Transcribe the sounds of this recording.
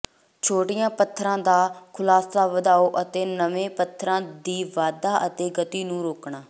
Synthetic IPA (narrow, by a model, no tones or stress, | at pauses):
t͡ʃʰoːʈɪjãːpət̪ʰːɾãːd̪aːkʰʊlaːsaːʋəd̪aːoːʔət̪eːnəʋẽːpət̪ʰːɾãːd̪iːʋaːd̪aːʔət̪eːɡət̪iːnũːɾoːkɳaː